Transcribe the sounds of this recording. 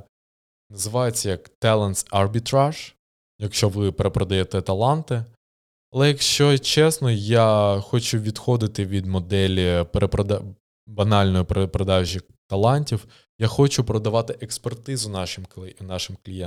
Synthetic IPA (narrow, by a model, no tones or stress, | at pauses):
nɐzɪʋɑjet͡sʲːɐjɐkt̪ɛlˠɛnsɐrbʲit̪ɾaʒ̥ | jɐkʃt͡ʃɔʋɪpeɾepɾɔd̪ɐjɛt̪ɛt̪ɐlˠɑnt̪ɪ | ɐlˠɛjɐkʃt͡ʃɔt͡ʃɛsnɔjaxɔt͡ʃʊʋʲid̪xɔd̪ɪt̪ɪʋʲid̪mɔd̪ɛlʲipɾepɾɔd̪ | bɐnɑlʲnɔjipɾepɾɔd̪ɑʒʲi | t̪ɐlˠɑnʲtʲiw | jaxɔt͡ʃʊpɾɔd̪ɐʋɑt̪ɪʔekspert̪ɪzʊnɑʃɪmnɑʃɪmklʲijɛ